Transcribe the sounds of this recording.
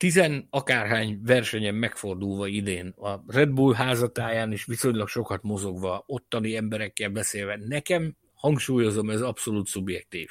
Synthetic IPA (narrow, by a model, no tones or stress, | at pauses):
t̪izɛnɒkaːrɦaːɲvɛrʃɛɲɛmːɛkfo̞rd̪ulvɒid̪eːnɒrɛd̪̚buːlɦaːzɒt̪aːjaːniʃʋiso̞ɲlɒkʃo̞kɒt̪mo̞zo̞ɡʋɒo̞t̪ːɒniɛmbɛɾɛkːɛlbɛseːlvɛnɛkɛm | hɒŋkʃuːjo̞zo̞mɛzɒpso̞luːt̪subjɛk̚t̪iːf